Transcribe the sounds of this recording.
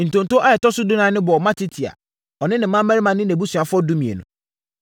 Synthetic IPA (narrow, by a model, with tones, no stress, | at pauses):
n̩˨tõ˨n˨to˦ʔa˦ɛ˨tɔ˦sʊ˦dʊ˦nã˦nɪ̃˦bɔ˨ɔ˨mã˦tʰi˦tʰi˨a̰˨ | ɔ˨nɪ̃˦nɪ̃˨mã˦mæ˦ɾi˦mã˨nɪ̃˦næ̃˨bu˦su˨a˨fʊ˦ɔ˦du˦mĩ˨ḛ˨nʊ̃˨